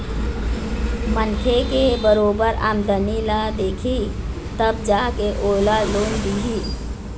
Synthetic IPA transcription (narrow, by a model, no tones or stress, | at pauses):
mənkʰekebəɾoːbəɾa̰ːmd̪ənilad̪eːkʰi | t̪əb̚d͡ʒakeʔoːlaloːnb̪iːɦiː